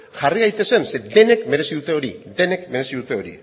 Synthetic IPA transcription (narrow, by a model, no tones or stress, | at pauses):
ʝariɣajt̪e̞se̞nse̞d̪e̞ne̞kme̞ɾe̞siðut̪e̞o̞ɾid̪e̞ne̞kme̞ɾe̞siðut̪e̞o̞ɾḭ